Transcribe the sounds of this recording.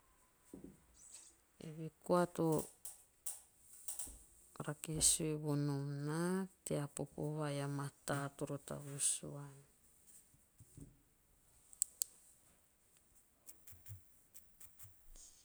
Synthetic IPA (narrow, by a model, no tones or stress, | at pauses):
ḛβikoato | ɾakesueβonomnateapo̰poβajamatatoɾota̰βusuan